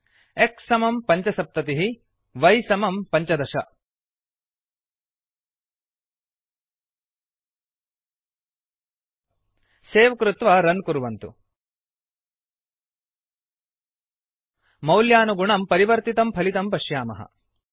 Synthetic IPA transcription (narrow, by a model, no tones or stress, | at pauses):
eksɐmɐmpɐɲt͡ʃɐsɐp̚t̪ɐt̪iɦi | ʋɐjsɐmɐmpɐɲt͡ʃɐd̪ɐʃɐ̰ | seːʋɐkɾut̪ʋɐɾɐnkuɾʋɐnt̪ṵ | mɐwljaːnuɡuɳɐmpɐɾiʋɐɾt̪it̪ɐmpʰɐlit̪ɐmpɐʃjaːmɐ̰ɦɐ̰